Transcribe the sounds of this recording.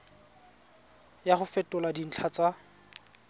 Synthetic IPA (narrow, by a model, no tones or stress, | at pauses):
jaχʊfɛtʼʊladin̩t͡ɬʰat͡sʼa